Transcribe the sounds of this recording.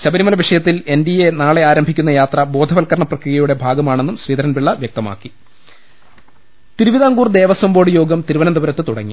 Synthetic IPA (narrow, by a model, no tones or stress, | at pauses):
ɕɐbɐɾimɐlɐʋiʂɐjɐt̪ːile̞ndijenaːɭe̞aːɾɐmbʱikʲːunːɐjaːt̪rɐbo̞ːd̪ʱɐʋɐlkɐɾɐɳɐprɐkrijɐjuɽe̞bʱaːɡɐmaːɳe̞nːumɕriːd̪ɐɾɐnʋiɭːɐʋjɐk̚t̪ɐma̰ːkːi | t̪iɾuʋiðaːŋɡuːrd̪e̞ːʋɐsɐmbo̞ːɽɨjo̞ːɡɐmt̪iɾuʋɐnɐnd̪ɐʋɐɾɐt̪ːɨt̪uɽɐ̰ŋːi